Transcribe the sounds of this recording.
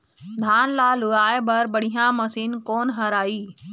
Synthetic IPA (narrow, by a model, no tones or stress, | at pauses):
d̪ʱaːnlaːlʊɡaːebɐɾbəɽijãmɐsiːnkoːnɦɐɾaːiː